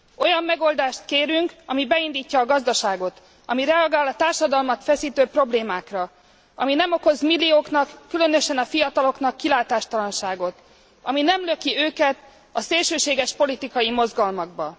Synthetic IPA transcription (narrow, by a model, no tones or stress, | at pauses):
o̞jɒmːɛɡo̞ld̪aːʃt̪keːɾyŋkɒmibɛind̪iːcːɒːɡɒzd̪ɒʃaːɡo̞t̪ | ɒmiɾɛɒɡaːlɒt̪aːrʃɒd̪ɒlmɒt̪fɛsiːt̪øːpro̞bleːmaːkrɒ | ɒminɛmo̞ko̞zmilːioːknɒkːylø̞nø̞ʃɛnɒfijɒt̪ɒlo̞kn̪ɒkːilaːt̪aːʃt̪ɒlɒnʃaːɡo̞t̪ | ɒminɛmløkiøːkɛt̪ | ɒseːlʃøːʃeːɡɛʃpo̞lit̪ikɒjimo̞zɡɒlmɒɡ̚bɒ